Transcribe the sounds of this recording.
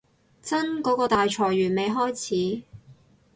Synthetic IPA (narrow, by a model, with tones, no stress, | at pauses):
t͡sɐ˥nkɔː˨˥kɔː˧t̪aː˨jt͡ʃʰɔː˨˩jɥyː˨˩nme˨˧jɦɔː˥jt͡sʰiː˨˥